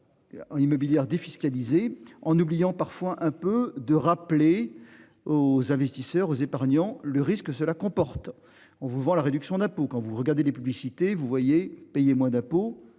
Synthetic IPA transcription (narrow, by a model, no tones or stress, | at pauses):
imɔbiljɛʁd̪efiskalizeɑ̃nublijɑ̃paʁfwaʔɛ̃pød̪əʁaple | ozɛ̃vɛst̪isœʁozepaʁɲɑ̃ləʁiskəsəlakɔ̃pɔʁt̪ | ɑ̃vuvɑ̃laʁed̪yksjɔ̃d̪ɛ̃pokɑ̃vuʁəɡaʁd̪elepyblisit̪evuvwajepɛjemwɛ̃d̪ɛ̃po